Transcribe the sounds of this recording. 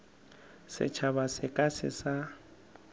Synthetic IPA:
sɪ̰t͡ʃʰaβasɪkʼasɪ̰sa

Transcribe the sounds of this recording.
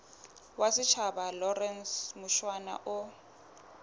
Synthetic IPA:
wasɪt͡ʃʰabalɔrɛnsmʊʃwana̰ʔʊ

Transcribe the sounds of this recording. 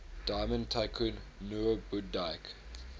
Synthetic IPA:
d̥aɪmə̃ntʰaɪkʰunːuəbudajk

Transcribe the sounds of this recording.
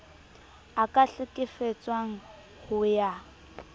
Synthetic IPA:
akʼaɬɪkʼɪfet͡sʼwaŋ̩ | hʊja

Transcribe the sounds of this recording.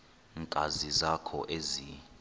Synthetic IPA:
ŋkʼazizakʰɔʔezi

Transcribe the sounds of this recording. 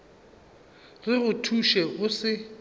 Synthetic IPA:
rɪɣʊtʰuʃɛɣʊsɪ

